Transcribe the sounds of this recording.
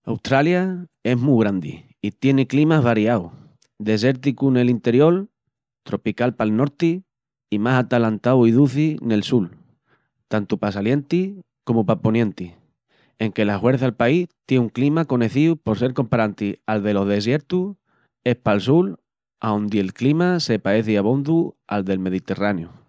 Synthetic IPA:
a̰wt̪ɾaljae̞ɦmuɣɾand̪ḭ | it̪je̞neklimaβ̞aɾiaw | d̪e̞s̬e̞ɾt̪ikune̞lint̪e̞ɾjo̞l | t̪ɾo̞pikalpalno̞ɾt̪iː | masat̪alant̪awiðuθine̞lsul | t̪ant̪upasalje̞nt̪i | ko̞mupapo̞njẽ̞nt̪i | e̞ŋke̞lahwe̞ɾθaalpait̪jeuŋklimako̞ne̞θiupo̞ɾse̞ɾko̞mpaɾant̪ialðe̞lo̞ɦðe̞s̬je̞ɾt̪u | e̞hpalsul | aond̪ie̞lklimase̞pae̞θiaβo̞nd̪uald̪e̞lme̞ð̞it̪e̞ranju

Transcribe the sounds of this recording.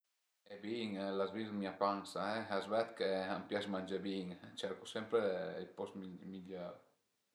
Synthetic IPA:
ebiŋlazvizmiapansaɛazvɛt̪keampjasmand͡ʒebiŋt͡ʃɛɾkosɛmpɾeilpɔst̪miʎaɾ

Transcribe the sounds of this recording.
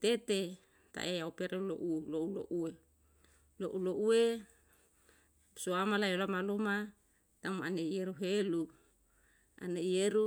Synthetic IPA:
t̪et̪e | t̪a̰ʔeaopeɾelo̰ʔuloulo̰ʔue | loʔuloʔue | suamalajolamaloma | t̪amaaneijeɾuɦelu | a̰neijeɾu

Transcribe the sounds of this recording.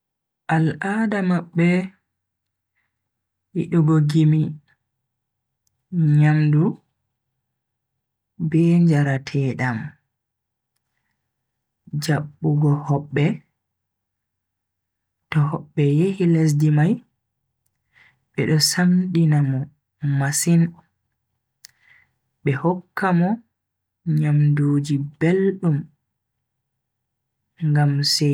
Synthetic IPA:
ʔalʔadamaɓːɛ | hiɗuɡɔɡimi | ɲamdu | bɛːɲd͡ʒaɾatʰɛːɗam | d͡ʒaɓːuɡɔhɔɓːɛ | tɔhɔɓːɛjehiles̬dimaj | ɓɛ̰ɗɔsamɗinamɔ | masin | ɓɛhɔkːamɔ | ɲamduːd͡ʒibelɗum | ŋɡamsɛ

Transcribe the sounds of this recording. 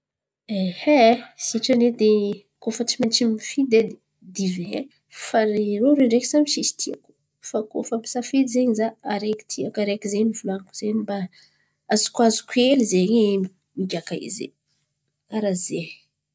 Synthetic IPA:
ehesiʈ͡ʂaned̪e | kofət͡ʃimant͡ʃimifid̪ed̪i | d̪ive | faɾiɾoɾeɳɖ͡ʐeki̥samiʃist̪ʰia̰ku̥ | fako̰fəmi̥safid̪izeɲzaaɾeki̥t̪ʰiakaɾekizemifulankuz̥eɲiba | azu̥kwazu̥kuelizeŋi | miɡʲakaḭzḛ | aɾaze

